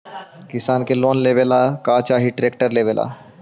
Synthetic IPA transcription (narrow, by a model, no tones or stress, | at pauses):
kɪsaːnkeloːnleːʋelakaːt͡ʃaːɦiʈɾeːk̚ʈəɾleːʋeːlʔa̰ː